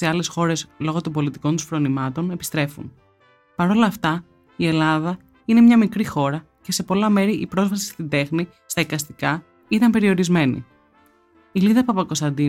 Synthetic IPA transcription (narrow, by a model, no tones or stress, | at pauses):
seɐle̞sxo̞ɾe̞slo̞ɣo̞t̪ombo̞lit̪i̥ko̞nt̪usfɾo̞nimɐt̪o̞ne̞pi̥st̪ɾe̞fṵn | pɐɾo̞lɐːft̪ɐ | ie̞lɐðɐ | ine̞mɲɐmikɾixo̞ɾɐ | ce̞se̞po̞lɐme̞ɾiʔipɾo̞zvɐsi̥st̪ind̪e̞xni | st̪ɐikɐst̪ikɐ | it̪ɐmpe̞ɾio̞ɾizme̞nḭ | iliðɐpɐpɐkost̪ɐnd̪i